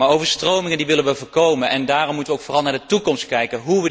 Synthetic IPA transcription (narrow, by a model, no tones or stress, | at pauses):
aːɹowvəɹstrowmɪŋəndiʋɪlənʋəvʊːɹkowmənʔɛndaːrɔmːutəʋəoʊwkfoːrɑlˠnaːɹdətukɔmstkɛjkənɦuʋə